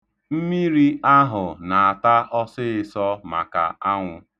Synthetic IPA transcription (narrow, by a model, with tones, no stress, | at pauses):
m̩˦mi˦ɾi˦ʔa˦ɦʊ˨na˨a˨ta˦ʔɔ˦sɪ˦ɪ˨sɔ˦ma̰˨ka̰˨a˦ŋʷʊ˦